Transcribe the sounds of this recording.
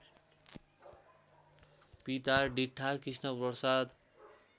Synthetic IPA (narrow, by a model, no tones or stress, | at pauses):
pit̪aɖiʈʰːakisnʌpʌsad̪